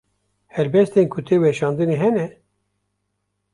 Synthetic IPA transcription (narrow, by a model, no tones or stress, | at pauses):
hɛɾbɛst̪enkʰut̪ʰeːwɛʃɑːnd̪ɨneɦɛnɛ